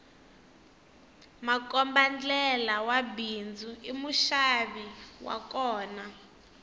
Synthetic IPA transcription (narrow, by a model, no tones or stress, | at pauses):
makɔmband͡ɮɛlawabind͡zuimuʃaβiwa̰kɔːna